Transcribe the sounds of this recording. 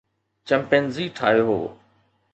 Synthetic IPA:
t͡ɕɛmpenziːʈʰaːɦjoːɦo̰ː

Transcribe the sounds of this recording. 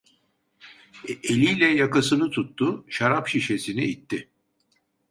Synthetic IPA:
elʲijlʲɛjakasɯnɯt̪ʰut̪ːuʃaɾapʃiʃe̞siniit̪ʰːɪ

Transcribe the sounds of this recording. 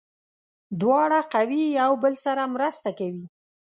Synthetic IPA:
d̪wɑɽaqawiawbəlsaɾamɾəst̪akawi

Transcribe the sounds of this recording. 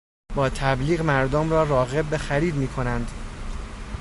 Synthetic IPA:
b̥ɒːt̪ʰæbliːɣmæɾd̪omrɒːɾɒːɣe̞b̚ːexæɾiːd̪miːkʰo̞nænd̪

